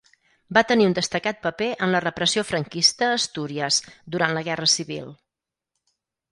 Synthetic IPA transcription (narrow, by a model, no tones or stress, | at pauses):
bat̪əniund̪əst̪əkat̪̚pəpeʔənlərəpɾəsiofɾəŋkist̪əːst̪uɾiəsd̪uɾanləɣɛrəsiβḭlˠ